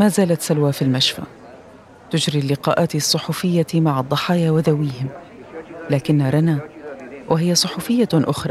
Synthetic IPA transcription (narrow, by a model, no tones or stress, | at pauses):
maːzaːlat̪salwaːfilmaʃfa̰ | t̪ʊd͡ʒɾilːɪqɑːʔaːt̪isˤːʊħuːfɪjːamaʕɑd̪ˤːɑħɑːjawɪðawiːhɪm | laːkɪnːaɾˤɑnawʔɪɦɪjːasˤʊħuːfɪjːaʔʊxɾˤɑ